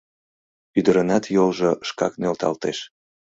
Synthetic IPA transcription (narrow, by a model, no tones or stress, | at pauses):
yd̪əɾənɑt̪jolʒoʃkɑ̰knølt̪ɑ̰lt̪eʃ